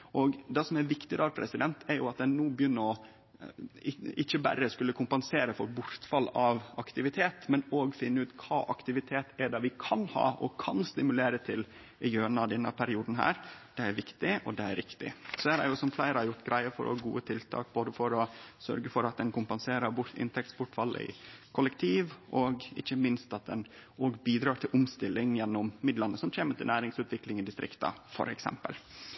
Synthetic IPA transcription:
ʔɔɡd̪ɛsɔmæɾʋɪkt̪ɪd̪ɑːɾpʰɾɛ̰sɪd̪ɛnt̪æɾjʊɑt̪̚d̪ɛnːuːbjʏnːəɾɔ | ɪɪçəbæ̰ɾəskʉlːəkʰʊmpɛnseːɾəfɔɾbʊɾt̪fɑlːɑʋɑkt̪ɪʋɪt̪ʰeːt̪mɛnoːɡfɪnːəʉːt̪kʰɑːʔɑkt̪ɪʋɪt̪ʰeːt̪æɖɑːʋɪkʰɑnhɑ̰ːʔɔ̰kʰɑnst̪ɪmʉleːɾət̪ʰɪl | ɪjøːɳɑd̪ɛnːɑpʰæɾɪuːd̪n̩ɦæ̰ːɾd̪̥ɛæɾʋɪkt̪ɪʔɔd̪ɛæɾɾɪkt̪ɪ̰sɔhæːɾæ̰ɾjʊsɔmflæɪɾəhɑɾjʊʈːɡɾæɪəfɔ̰ɾɔ̰ɑɡṵːət̪ʰɪlt̪ʰɑ̰ːk̚boːd̪əfɔɾɔsœ̰ɾɡəfɔɾɑt̪̚d̪ɛnkʊmpɑnseːɾəɾbʊɾt̪ɪ̰nt̪ʰɛk̚t̪spʊʈfɑlːə̰ɪ̰kʰʊləkt̪ʰiːʋʔɔɡɪ̰çːəmɪnst̪ɑt̪̚d̪ɛnoːɡbiːd̪ɾɑːʈ̪ʰɪlʊmst̪ɪlːɪŋjɛnːʊmmɪd̪lɑnːəsɔmc͡çeːməʈ̪ɪlnæːɾɪŋsʉːt̪ʰʋɪklɪŋɪd̪ɪst̪ɾɪ̰kt̪ɑ̰fɔ̰ɾɛ̰ksɛ̰mpə̰l

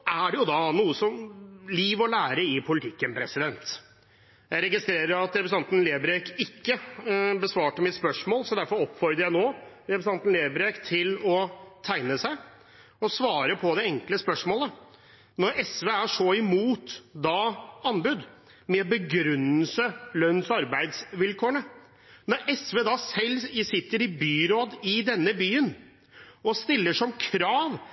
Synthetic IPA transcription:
æɖɛjʊd̪ɑnuːəsɔmliːʋɔlæːɾəɪpʰʊlɪt̪ʰɪkːənpʰɾɛsɪd̪ɛnt̪ | jæɪɾɛɡɪst̪ɾeːɾəɾɑt̪ɾɛpəsɑnt̪nleːbɾekɪkːəbəsʋɑːʈəmɪt̪spœʂmoːlsɔd̪æɾfɔɾɔpːfɔɾd̪əɾjæɪnoː | ɾɛpəsɑnt̪n̩leːbɾekt̪ʰɪlɔt̪ʰæɪnəsæɪ | ɔsʋɑːɾəpʰɔd̪ɛɛŋkləspœʂmoːlə | nɔɾɛsʋeːæʂɔɪmuːt̪d̪ɑɑnbʉd̪ | mɛbəɡɾʉnːəlsəlœnːsɑɾbæɪd̪sʋɪlkʰoːəɳə | nɔɾʔɛsʋeːd̪ɑsɛlːɪsɪt̪ːəɾɪbyːɾoːd̪ɪd̪ɛnːəbyːən | ɔst̪ɪlːəʂɔmkʰɾɑːʋ

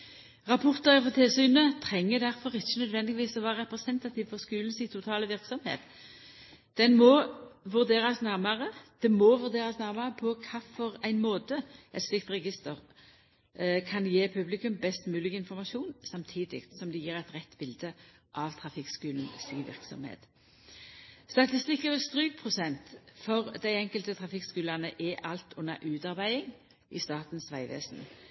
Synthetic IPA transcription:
ʁɑpʰɔʁt̪əʁəfɔt̪ʰɪlsyːnət̪ʰʁɛŋːəd̪æʁfɔʁɪçːənœd̪ʋɛnd̪ɪɡʋiːsɔʋæːʁəʁɛpʁəsɛnt̪ɑt̪ʰiːʋfɔʁskʉːln̩siːt̪ʰʊt̪ʰɑːləʋɪʁksɔmhḛːt̪ | d̪̥ɛnmɔʋʉʁd̪eːɾɑsnæʁmɑʁəd̪̥ɛmɔʋʉʁd̪eːʁɑsnæʁmɑʁəpʰɔkʰɑfɔʁæɪnmoːt̪əɛɪt̪slɪkt̪ʁɛɡɪst̪əʁ | kʰɑnjeːpʰʉblɪkʉmbɛst̪mʉːlɪɡɪnfɔʁmɑʃuːnsɑmt̪ʰiːd̪ɪ̰ɡt̪sɔmd̪ɛjiːɾæɪt̪ʁɛt̪ːbɪld̪ə | ʔɑʋt̪ʰʁɑfɪkskʉːlən̩siːʋɪ̰ʁksɔ̰mhḛːt̪ | st̪ɑt̪ɪst̪ɪkːəʋɛst̪ʁyːɡ̚pʰʁʊsɛnt̪fɔʁd̪æɪɛŋkəlt̪ət̪ʰʁɑfɪkskʉːlɑnəʔɛʔɑlt̪ʰʊnːə̰ʔʉːt̪ɑʁɾbæɪɪŋ | ʔɪst̪ɑːʁt̪n̩sʋæɪʋḛːsn̩

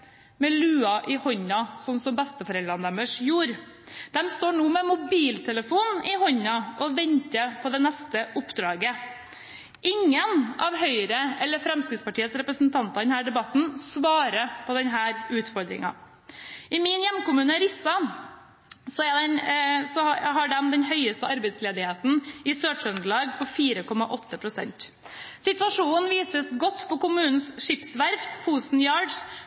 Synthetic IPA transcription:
mɛlʉːɑʔɪhɔɲɑsɔnsɔmbɛst̪əfɔɾɛlɾɑnd̪ɛməʂjuːɾ | d̪̥ɛmst̪oːɳuːmɛmʊbiːlt̪ʰɛləfuːnɪhɔɲɑʔɔʋɛɲt̪əpʰɔd̪ɛnɛst̪əʔʊpːd̪ɾɑːɡə | ʔɪŋːənʔɑʋɦœʏɾəɛlːəɾfɾɛmskɾɪt̪spɑʈʰiːəsɾɛpɾəsn̩t̪ʰɑnt̪ɑɾd̪ɛnhæːɖɛbɑt̪n̩sʋɑːɾəpʰɔd̪ɛnɦæːɾʉːt̪fɔɾd̪ɾɪ̰ŋɑ̰ | ɪmɪnjɛmːkʊmʉːnəɾɪsːɑ | sɔæd̪ɛnsɔɦɑɖɛmd̪ɛnɦœʏəst̪əɑɾbɛɪsleːd̪ɪheːt̪n̩ɪsøːʂʉnd̪əɭɑːɡpʰɔfiːɾəkʰɔmɑʔɔt̪ːəpʰɾʊsɛ̰nt̪ | sɪt̪ʋɑʂuːnn̩ʋiːsəsɡɔt̪ːpʰɔkʊmʉːnn̩sʂɪpsʋæɾft̪fuːsn̩jɑːɖ

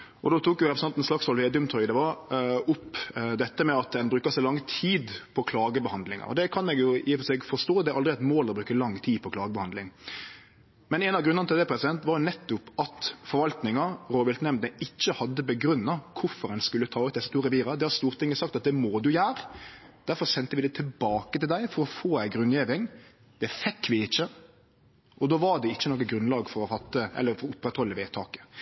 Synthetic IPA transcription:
ʔɔd̪oːt̪ʰuːkjʊɾɛpɾəsnɑnn̩slɑksɔlʋɪɛd̪ʉmt̪ʰɔʏd̪ɛʋɑɾʊpd̪ɛt̪ːəmɛɑt̪̚d̪ɛnbɾʉːkɑsæɪlɑŋːt̪ʰiːd̪pʰɔkʰlɑːɡəbəhɑnd̪lɪŋɑ̰ɔ̰d̪ɛkʰɑnɛɡjʊiːfɔsɛɡfɔʂt̪oːd̪ɛɾɑld̪ɾɪæt̪moːld̪ɛbɾʉːkəlɑŋːt̪ʰiːpʰɔkʰlɑːɡəbɛhɑnd̪lɪŋ | mɛnɛːnɑʋɡɾʉnənət̪ɪld̪ɛpʰɾɛsɪd̪ɛnt̪ʋɑːɾjʊnɛt̪ːʊpɑt̪fɔɾʋɑlt̪nɪŋɑɾoːʋɪlt̪nɛmnd̪əɪt͡ʃːəhɑd̪ːəbəɡɾʉnːɑkʰʊɾfɔɾɛnskʉlːət̪ʰɑːʉt̪̚d̪ɛsə̥t̪uːɾɛʋiːɾɑd̪ɛhɑɾst̪uːɾt̪ʰɪŋːəsɑk̚t̪ɑt̪̚d̪ɛmoːd̪ʉjæːɾ | d̪̥æɾfɔɾsɛnt̪əʋɪd̪ɛt̪ʰɪlbɑːkət̪ɪld̪æɪfɔɾɔfoːæɪɡɾʉnjeːʋɪŋ | d̪̥ɛfɛkːʋɪɪçːə | ʔɔd̪oːʋɑɾɖ̪ɛɪçːənoːkːəɡɾʉnlɑːɡfɔɾɔfɑt̪ːəʔɛ̰lːəɾfɔɾʊpːɛt̪ʰɾɔlːɪʋeːt̪ʰɑːkə̥

